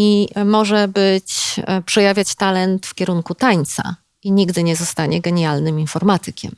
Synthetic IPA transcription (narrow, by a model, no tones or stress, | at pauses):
imɔʐɛbɘt͡ɕpʂɛjavʲjat͡ɕt̪alɛnt̪fkʲɛɾuŋkut̪aɲt̪sa̰ | iɲiɡd̪ɘɲɛzɔst̪aɲɛɡɛɲalnɘminfɔɾmat̪ɘkʲɛ̰m